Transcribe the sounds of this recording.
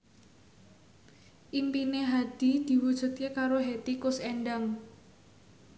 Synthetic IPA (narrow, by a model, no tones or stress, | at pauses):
ʔimpineɦad̪̥i̤d̪̥i̤wud̥ʒ̥ṳt̪̚kekaɾoɦet̪ikʊsɛɳɖaŋ